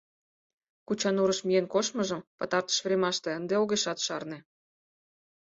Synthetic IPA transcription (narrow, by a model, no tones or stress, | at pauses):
kut͡ɕɑnuɾəʃmijenkoʃmɤ̆ʒə̆mpɤ̆t̪ɑrt̪ə̥ʃβɾʲemɑʃt̪eənd̪eoɣeʃɑt̪ʃɑrnĕ